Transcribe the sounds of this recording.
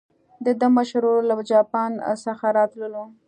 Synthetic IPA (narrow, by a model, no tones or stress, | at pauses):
d̪əd̪əmaʃɾolad͡ʒɑpɑnsaxaɾɑt̪ləlu